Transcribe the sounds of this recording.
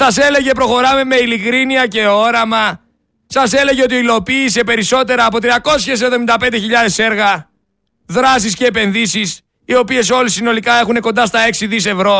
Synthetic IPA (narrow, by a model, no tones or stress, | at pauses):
sɐse̞le̞ʝe̞pɾo̞xo̞ɾɐme̞me̞ilikɾiniɐce̞o̞ɾɐmɐ | sɐse̞le̞ʝeo̞t̪̬ioilo̞piːse̞pe̞ɾiso̞t̪e̞ɾɐːpo̞t̪ɾiɐko̞sçe̞s̬e̞vðomind̪ɐpe̞nd̪e̞çiʎɐðe̞se̞ɾɣɐ | ðɾɐs̬isce̞ːpe̞nðisis | io̞pie̞s̬o̞lisino̞likɐe̞xune̞ko̞nd̪ɐst̪ɐe̞ksiðis̬e̞vɾo̞